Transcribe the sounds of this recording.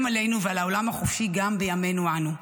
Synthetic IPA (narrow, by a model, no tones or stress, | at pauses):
male̞jnuvealao̞lamhaχofiɡambejame̞nuanu